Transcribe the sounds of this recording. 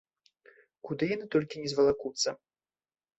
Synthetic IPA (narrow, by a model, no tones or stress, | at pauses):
kud̪ɨjanɨt̪ɔlʲkʲinʲɛzvɐlˠakut̪sɐ